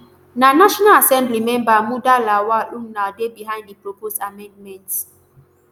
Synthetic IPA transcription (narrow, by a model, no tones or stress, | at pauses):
nanaʃɔnalasɛ̃mblimɛ̃mbamudalawalũŋnadebiɦãɪ̃nddipɹopostamɛ̃ndmɛ̃nt